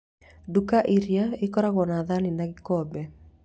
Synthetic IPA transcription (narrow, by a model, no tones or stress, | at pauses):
dukaʔiɾjaɪkɔɾaɣɔnaðanɪnaɡɪkɔbɛ